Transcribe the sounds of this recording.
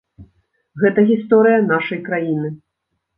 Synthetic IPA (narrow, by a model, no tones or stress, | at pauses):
ɣɛt̪ɐɣʲist̪ɔɾɨjɐnaʂɐjkɾajinɨ